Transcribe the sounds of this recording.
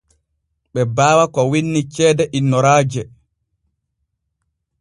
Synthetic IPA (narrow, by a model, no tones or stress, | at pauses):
ɓɛbaːwakɔwinːit͡ʃɛːdɛʔinːɔɾaːd͡ʒɛ